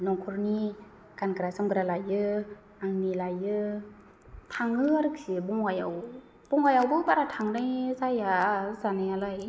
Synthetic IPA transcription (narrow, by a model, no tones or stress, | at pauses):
nɔŋkʰuɾni | kanɡɯɾasamɡɾalajɯ | aŋnilajɯ | tʰaŋɯaɾɯksibɔŋwajaw | b̥ɔŋajawbɯbaɾatʰaŋnajzajazanajalaj